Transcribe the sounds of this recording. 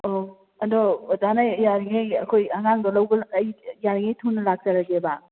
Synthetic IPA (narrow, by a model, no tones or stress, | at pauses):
o | ɐdɔdanajjaɾiŋejɐkʰojaŋaŋdɔlawɡɐlːjjaɾiŋejtʰunːɐlak̚t͡ʃaɾaɡeba